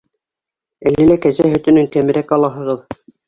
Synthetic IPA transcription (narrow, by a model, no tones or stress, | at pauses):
ælːɘ̆lækæzæɦɵ̆t̪ɘ̆nɘŋkæmɘ̆ɾækɑlˠɑɦɤ̆ʁɤð